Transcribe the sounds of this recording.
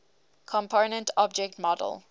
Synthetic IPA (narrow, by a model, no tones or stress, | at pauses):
kʰɔ̃mpʰoʊnə̃ntʰɔb̚d͡ʒɛk̚tmɔdə̰lˠ